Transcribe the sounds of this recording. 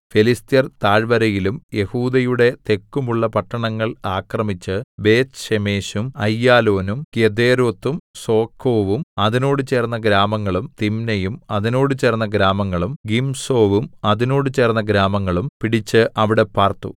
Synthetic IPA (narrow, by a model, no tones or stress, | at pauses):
felist̪ijɐrt̪aːɻʋɐɾɐjilumje̞huːd̪ɐjuɽe̞t̪e̞kːumuɭːɐpɐʈːɐɳɐŋːɐɭaːkrɐmit͡ɕːɨbe̞ːt̪ɕemeːɕumɐjːaːlo̞ːnumkjed̪eːɾoːt̪ːumso̞ːkʰːo̞ːʋumɐðino̞ːɽɨt͡ɕe̞ːrnːɐɡɾaːmɐŋːɐɭumt̪imnɐjumɐðino̞ːɽɨt͡ɕe̞ːrnːɐɡɾaːmɐŋːɐɭumɡimso̞ːʋumɐðino̞ːɽɨt͡ɕe̞ːrnːɐɡɾaːmɐŋːɐɭumpiɽit͡ɕːɨʔɐʋiɽe̞paːrt̪ːṵ